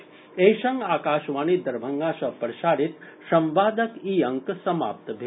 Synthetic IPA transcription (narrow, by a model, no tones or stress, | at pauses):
ejʃɐ̃ŋɡaːkaːʃʋaːnid̪ɐɾbʱɐŋɡaːʃɐpɾɐʃaːɾit̪sɐ̃mʋaːd̪ɐkiɐŋksɐma̰ːp̚t̪bʱe